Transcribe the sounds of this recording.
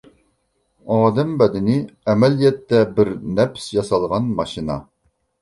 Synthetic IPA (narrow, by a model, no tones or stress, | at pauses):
ɑːd̪ɛmbɛd̪ɪnɪɛmɛlijɛt̪ːɛbɪɾnɛpsjɑsɑlˠʁɑnmɑʃinɑ̰